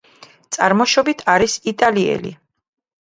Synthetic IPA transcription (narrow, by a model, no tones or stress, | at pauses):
t̪sʼa̰ɾmɔʃɔbit̪ʰaɾisit̪ʼaliɛ̰lḭ